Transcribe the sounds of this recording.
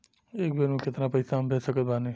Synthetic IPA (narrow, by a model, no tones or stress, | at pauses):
eːk̚benũkɪt̪napɐjsaɦmbʱesəkət̪̚baːne